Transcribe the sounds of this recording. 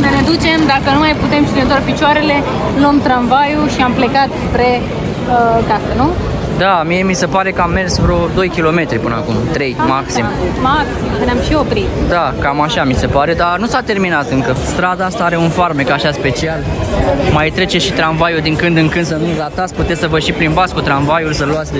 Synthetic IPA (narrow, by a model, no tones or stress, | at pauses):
nəned̪ut͡ʃe̞md̪akənumajput̪e̞mʃid̪net̪oarpit͡ʃoaɾe̞le̞ | ləmt̪ɾanvajuʃiample̞kat̪spɾe̞ | əkasənu | d̪amije̞mise̞paɾe̞kəamːe̞rsvɾod̪o̞jkʲilo̞me̞t̪ɾʲipɨnəakumt̪ɾe̞jmaksimmaksimkəneamʃio̞pɾit̪d̪akamaʃamise̞paɾe̞d̪anusat̪e̞rminat̪ɨŋkəst̪ɾad̪aast̪aaɾe̞unfarmekaʃaspe̞t͡ʃialmajt̪ɾe̞t͡ʃeʃit̪ɾanvajud̪iŋkɨnd̪ɨŋkɨnd̪səminzlat̪at̪sʲput̪et̪sʲsəvəʃipɾinbat̪skut̪ɾanvajulsəluat̪sʲ